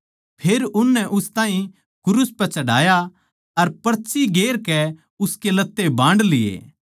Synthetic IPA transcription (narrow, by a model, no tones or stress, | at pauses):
pʰeːɾʊnːɛʔʊst̪ãːɦĩ | kʊɾʊspɛt͡ʃɐɽa̰ːja | ɐɾpɐɾt͡ʃiɡeːɾkɛ | ʊskelɐt̪ːebãːɳɖlɪḛː